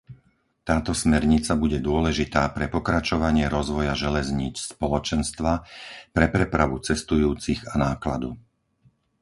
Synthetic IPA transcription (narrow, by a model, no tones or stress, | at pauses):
t̪aːt̪ɔsmɛɾɲit͡sabuɟɛd̪ʊɔlɛʒit̪aːpɾɛpɔkɾat͡ʃɔʋaɲɪɛɾɔzʋɔjaʒɛlɛzɲiːt͡sspɔlɔt͡ʃɛnst̪ʋapɾɛpɾɛpɾaʋut͡sɛst̪ujuːt͡siɣanaːkla̰d̪u